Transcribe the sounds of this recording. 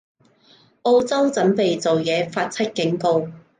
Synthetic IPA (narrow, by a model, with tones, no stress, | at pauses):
ʔo˧wt͡sɐ˥wt͡sɐ˨˥npe˨jt͡so˨wjɛː˨˧faː˧t̚t͡sʰɐ˥t̚kɪ˨˥ŋko˧w